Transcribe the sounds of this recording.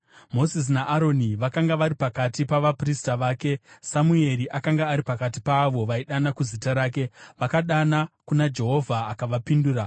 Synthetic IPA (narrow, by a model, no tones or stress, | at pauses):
mo̞zis̬naʔaɾo̞niʋakaŋɡaʋaɾipakatipaʋapristaʋaːke̞samue̞ɾiʔakaŋɡaːɾipakatipaʋo̞ʋaiɗanakuzitaɾaːk̬e̞ʋakaɗanakunad͡ʒe̞ɦo̞vʱaːkaʋapinduːɾa